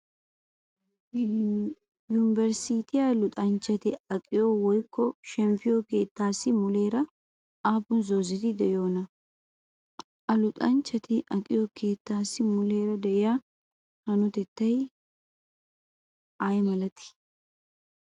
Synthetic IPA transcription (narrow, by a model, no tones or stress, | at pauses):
juːnɪbɛɾsiːt̪ɪjalʊt̪ʼɐnt͡ʃːɐt̪ɪɐkʼɪjowɔjkːɔʃɛmfɪjoke̞ːt̪ːaːsɪmʊle̞ːɾɐ | aːbʊnzoːzɪt̪ɪd̪ɛjo̞ːnɐ | ʔɐlʊt̪ʼɐnt͡ʃːɐt̪ɪʔɐkʼɪjoke̞ːt̪ːaːsɪmʊle̞ːɾɐd̪ɛʔɪjaː | hɐnʊt̪ɛt̪ːɐj | ʔajmɐlɐt̪ɪ̥